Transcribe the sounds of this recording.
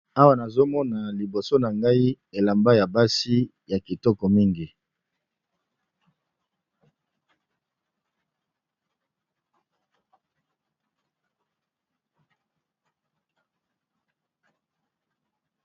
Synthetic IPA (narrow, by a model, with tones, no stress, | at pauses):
a˦wa˦na˨zo˦mɔ˦na˨li˨bo˨so˦na˨ŋɡa˦i˦ | e˨la˨mba˦ja˨ba˦si˦ | ja˨ki˨tɔ˦kɔ˨mi˦ŋɡi˨